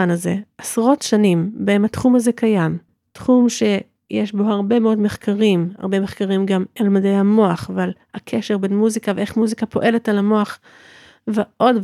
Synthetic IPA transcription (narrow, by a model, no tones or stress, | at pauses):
anaze̞ʔasʁo̞tʃanimbeemhatχumhaze̞kajam | tχumʃe̞ | jeʃbo̞haʁbe̞meo̞dme̞χkaʁimha̰ʁbeme̞χkaʁimɡamalmadejhamo̞aχaval | akʰeʃe̞ʁbe̞nmuzikaveeχmuzikapo̞ʔe̞le̞talamo̞aχ | veʔo̞d